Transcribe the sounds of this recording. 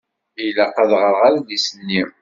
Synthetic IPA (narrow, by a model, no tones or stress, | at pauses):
ilæqɑðʁəɾʁaɾaðisənːi